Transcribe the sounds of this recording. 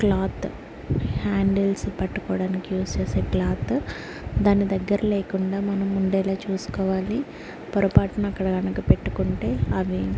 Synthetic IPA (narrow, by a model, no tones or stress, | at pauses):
klaːt̪ | haːɳɖelspɐʈːukɔːɽaːnikijuːst͡ʃeːseːklaːt̪ | d̪aːnːid̪ɐɡːɐɾɐleːkuɳɖaːmɐnɐmːuɳɖɛːlaːt͡ʃuːsu̥kɔːʋaːli | pɐɾɐpaːʈɐnɐkːɐɽɐɡɐnɐkupeʈːu̥kuɳʈe̞ːɐʋi